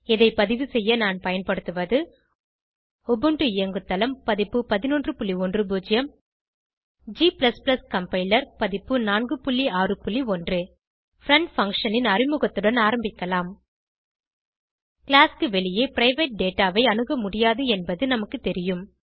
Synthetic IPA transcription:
ɛðɐɪpɐðɪʋɯsɛjːɐnaːnpɐjɐnpɐɽɯt̪ːɯʋɐðɯ | ɔbɯɳɖrɯɪjɐŋɡɯt̪ːɐlɐmpɐðɪpːɯpɐðɪnɔndrɯpʊɭːiɔndrɯbuːd͡ʒɪjɐm | d͡ʒiːplɐsplɐskɐmpɐɪlɐɾpɐðɪpːɯnaːnɡɯpʊɭːiaːrɯpʊɭːiɔndrɯ | fɾɐɳʈfɐŋkʂɐnɪnɐrɪmʊɣɐt̪ːɯɽɐnaːɾɐmbɪkːɐlaːm | kɪlaːskɯʋɛɭɪjeːpɾɐɪʋeːʈ̚ɖeːʈːaːʋɐɪɐnɯɣɐmʊɽɪjaːðɯɛnbɐðɯnɐmɐkːɯt̪ːɛɾɪjɯm

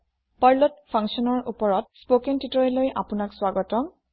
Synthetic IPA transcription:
paɹlotpʰaŋsɔnɔɹṵpɔɹɔt̚spokentitɔelojʔa̰pʊnakswaɡɔtɔ

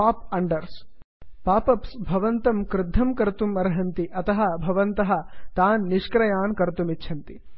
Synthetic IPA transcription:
paːp̚ɐɳɖɐɾs | paːpɐpsbʱɐʋɐnt̪ɐmkɾɪd̪ʱːɐmkɐɾt̪umːɐɾɐɦɐnt̪iʔɐt̪ɐɦɐ̆bʱɐʋɐnt̪ɐɦɐ̆t̪aːnːiʃkɾɐjaːnkɐɾt̪umitːʃʰɐnt̪i

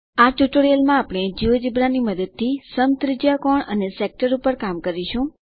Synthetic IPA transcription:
aʈuʈoɾijəlmãapɽ̃ed͡ʒiʋəd͡ʒibɾaniməd̪əd̪̚t̪ʰisəmt̪ɾɪd͡ʒakɔɳə̰nesek̚ʈəɾupəɾkamkəɾiʃũ

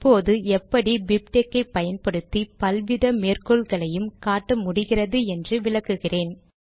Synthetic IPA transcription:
pːoːðɯɛpːɐɽibɪpʈekːɐɪpːɐjɐnpɐɽɯt̪ːipɐlʋɪðɐmeːrkɔɭɣɐɭɐjɯmkaːʈːɐmʊɽɪɣɪrɐðɯɛndrɯʋɪɭɐkːɯɣɪreːn

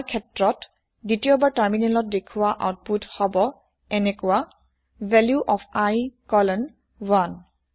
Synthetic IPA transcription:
kʰɛtɹɔt | ditiɔbaɹtaɹminɛlɔt̚dekʰuaʔa̰wt̚puthɔbɔ | ɛnɛkɔa | vʱɛljuʔɔfʰajkɔlən | wan

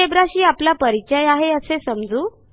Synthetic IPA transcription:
ebɾaɕiːaplapəɾit͡ɕəjaɦeəsesəmd͡zuː

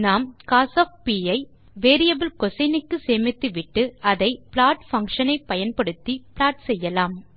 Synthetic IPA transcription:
naːmkaːsɐːfpiːɐɪ | ʋeːɾɪjɐbɪlkɔsɐnɪkːɯseːmɪt̪ːɯʋɪʈːɯɐðɐɪplaːʈfɐŋkʂɐnɐɪpːɐjɐnpɐɽɯt̪ːiplaːʈsɛjːɐlaːm

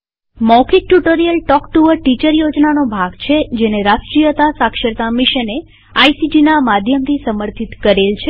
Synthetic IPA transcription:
mɔkʰik̚ʈuʈoɾijəlʈɔkʈuʋəɾʈit͡ʃəɾjod͡ʒnanobʱaɡt͡ʃʰed͡ʒeneɾasʈɾijət̪asakʃəɾt̪amiʃəne | ajsid͡ʒinamad̪ʱjəmt̪ʰisəməɾt̪ʰit̪kəɾelt͡ʃʰe

